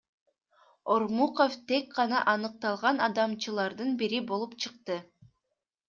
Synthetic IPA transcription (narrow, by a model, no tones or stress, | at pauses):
o̞ɾmuqoft̪e̞k̚qɑnɑʔɑnɯq̚t̪ɑlˠʁɑnɑd̪ɑmt͡ʃɯlˠɑɾd̪ɯnbiɾibo̞lˠupt͡ʃʰɯqt̪ɯ